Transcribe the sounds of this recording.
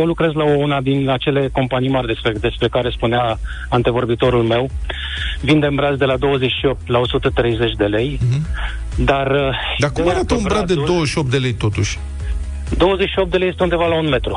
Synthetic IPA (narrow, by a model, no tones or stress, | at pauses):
jewlukɾe̞zlaounad̪inat͡ʃe̞le̞ko̞mpanijmarʲd̪esped̪e̞spɾe̞kaɾe̞spunea | ant̪e̞vo̞rbit̪o̞ɾulme̞w | vind̪eɨmbɾatzd̪e̞lad̪o̞wəze̞t͡ʃʲʃio̞p̚t̪lao̞sut̪ət̪ɾe̞jze̞t͡ʃʲd̪e̞le̞j | d̪arəd̪akumaɾat̪əunbɾad̪ed̪owəʃiop̚t̪d̪elejt̪o̞t̪uʃʲ | d̪o̞wəze̞t͡ʃʃiop̚t̪elejest̪e̞und̪e̞valaunme̞t̪ɾu